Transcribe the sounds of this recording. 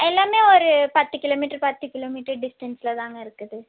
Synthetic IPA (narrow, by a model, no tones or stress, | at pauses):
ɛlːaːmeːɔɾɯpɐt̪ːɯkɪloːmiːʈːɐɾpɐt̪ːɯkɪloːmiːʈɐɾɖɪsʈɐnsɪlɐt̪aːŋɡɐɪɾɯkːɐðɯ